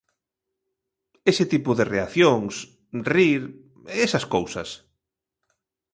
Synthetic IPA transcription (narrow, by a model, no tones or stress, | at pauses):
esɪt̪ipʊðereaθjoŋs | riɾ | eesɐskowsɐs